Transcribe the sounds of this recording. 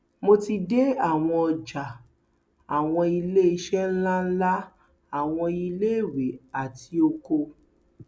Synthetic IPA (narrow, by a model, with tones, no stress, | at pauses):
mo˧ti˧de˦a˦˨w̃ɔ̃˧ɔ˧d͡ʒa˨ | a˨w̃ɔ̃˧i˧le˦i˧˦ʃɛ˦lã˦la˦ | a˦˨w̃ɔ̃˧i˧le˦˨we˨˦a˨ti˧o˧ko˧